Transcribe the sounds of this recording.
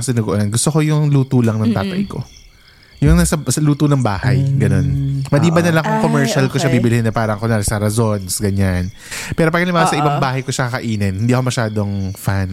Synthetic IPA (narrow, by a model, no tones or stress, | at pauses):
sɪnuɡoʔonɐnɡʊst̪oko̞jʊŋluːt̪ulɐŋnɐŋt̪aːt̪ɐ̰jko̞̰ | jʊŋnɐsɐsɐluːt̪onɐŋbaːhɐjɡɐno̞nmɐd̪iːbɐnɐlɐŋkʊŋkomɛɹʃɐlkoʃɐbibɪlɪhɪnːɐpaːɾɐŋkonaːɾɛsɐɾɐzo̞nsɡɐɲan | pɛːɾop̬ɐɡɐlɪmaːwsɐʔɪbaŋbaːhɐjkoʃɐkɐkɐʔiːnɛnhɪnd̪iʔɐkomɐʃaːd̪oŋfan